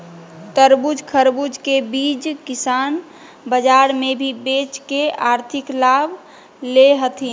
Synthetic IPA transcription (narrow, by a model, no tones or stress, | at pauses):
t̪əɾbud͡ʒkʰəɾbud͡ʒkebid͡ʒkɪsan | bəd͡ʒaɾmebʱibet͡ʃkeaːɾt̪ʰɪklab | leɦət̪ʰɦi